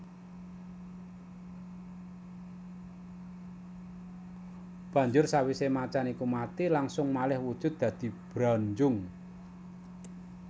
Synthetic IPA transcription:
b̥ä̤ɲd͡ʒʊrsawisemat͡ʃanikumat̪ilaŋsʊŋmalɪhwud̥ʒ̥ʊ̤t̪̚d̪̥ä̤d̪̥i̤b̥ɾaɲd͡ʒʊŋ

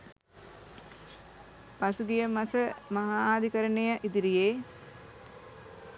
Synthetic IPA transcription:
pasuɡijəmasəmaɦaːaːd̪ʱikəɾənejaʔid̪iɾijeː

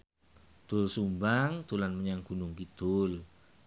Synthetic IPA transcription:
d̪̥ʊlsumbaŋt̪ulanməɲaŋɡ̥ṳnʊŋkid̪̥ʊl

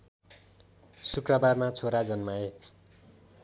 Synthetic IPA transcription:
sukrʌbarmat͡sʰoɾad͡zʌnmae

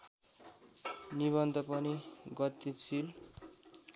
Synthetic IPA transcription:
niβʌnd̪ʱʌpʌniɡʌt̪ːit͡sʰil

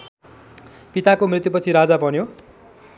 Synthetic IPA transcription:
pit̪akomrit̪jupʌt͡sʰiɾad͡zabʌnjo

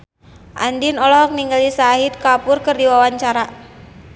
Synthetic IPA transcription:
ʔa̰ndinɔlɔɦɔk̚niŋɡalisaɦit̪̚kapʊrkərdiwawaɲt͡ʃaɾa

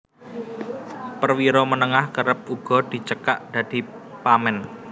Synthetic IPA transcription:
pərwiɾomənəŋahkəɾəp̚ʔuɡ̥ɔ̤d̪̥i̤t͡ʃəka̰ʔd̥ä̤d̪̥i̤ | pamɛn

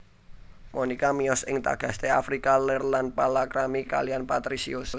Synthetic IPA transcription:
monikamiɔsɪŋt̪a̰ɡ̥a̤st̪eafɾikalɛrlanpalakɾamika̰lijanpat̪ɾisḭus

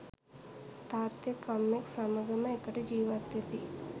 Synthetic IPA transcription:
t̪aːt̪jɐkɐmːeksɐmɐɡɐmɐikɐʈed͡ʒiːʋat̪jɐt̪i

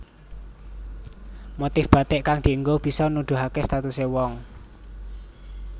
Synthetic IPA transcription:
mot̪ɪfb̥a̤t̪ɪʔkaŋd̪̥i̤əŋɡob̥i̤sɔnud̪̥ṳɦakest̪at̪usewɔŋ

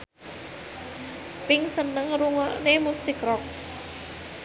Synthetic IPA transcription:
pɪŋsənəŋɾuŋɔnemusɪkrɔk̚

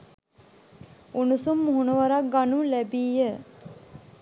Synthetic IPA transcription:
unusumːuɦunəʋəɾak̚ɡanulæbiːjə

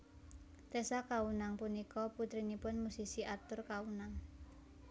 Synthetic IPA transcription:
t̪ɛsakawunaŋpunikɔput̪ɾinipʊnmusisiʔat̪ʊrkawunaŋ

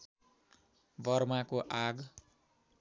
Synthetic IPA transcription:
bʌrmakoʔaɡ

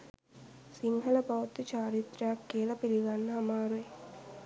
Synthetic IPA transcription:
siŋɦɐlɐpɐwɐt̪ːit͡ʃaːɾit̪ɾaːkːiːlɐpiliɡɐnːɦɐmaːɾue

